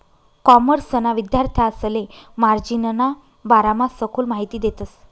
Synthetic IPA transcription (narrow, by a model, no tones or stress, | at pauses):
kɔməɾsənaʋid̪jaɾt̪ʰjaːslemaɾd͡ʑinəna | baɾamasəkʰuːlmaɦit̪iːd̪et̪əs